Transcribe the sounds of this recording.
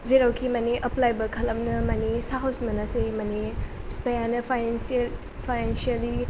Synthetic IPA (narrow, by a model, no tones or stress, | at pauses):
zeɾawkʰimɐneʔɐplajbɐkʰɐlɐmnɐmɐnesaɦawsmɐnasemɐnespejanɐpʰanensl | pʰajnensiɐli